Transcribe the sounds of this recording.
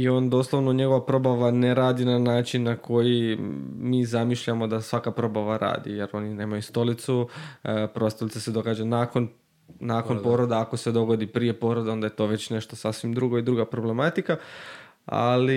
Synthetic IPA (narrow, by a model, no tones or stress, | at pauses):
io̞ːnd̪o̞ːslˠoʋnoɲe̞ɡo̞ʋapɾo̞baʋaneɾaːd̪inanaːt͡ʃinːakʰo̞jimiːzamiʃʎamo̞d̪asʋakapɾo̞baʋaɾa̰ːd̪ḭjeɾo̞nine̞ːmajust̪o̞lit̪su | pɾost̪olit̪ese̞d̪o̞ɡaːd͡ʑanako̞n | nako̞npo̞ɾod̪eako̞se̞d̪o̞ɡo̞d̪ipɾije̞po̞ːɾod̪eo̞nd̪aje̞t̪o̞ʋe̞t͡ɕne̞ʃt̪osasʋimd̪ɾuɡo̞id̪ɾuːɡapɾo̞ble̞mat̪ika | a̰li